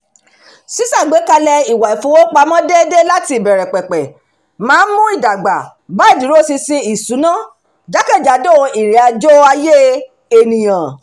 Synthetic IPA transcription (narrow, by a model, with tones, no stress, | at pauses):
si˨˦sa˦˨ɡ͡be˨˦ka˧lɛ˧i˨wa˨i˨fũ˨˦wo˦k͡pa˧mɔ̃˦de˦de˦la˦ti˧i˦˨bɛ˨ɾɛ˨k͡pɛ˨k͡pɛ˨ | mãː˨˦n˦mũ˦i˦˨da˨ɡ͡ba̰˨ | ba˦i˦˨di˨˦ɾo˦si˧si˧i˨su˨˦nã˦˨ | d͡ʒa˨˦kɛ˦˨d͡ʒa˨˦do˦˨˧i˨ɾe˨˦a˧d͡ʒo˦a˧je˦ | e˨nĩ˨j̃ã˨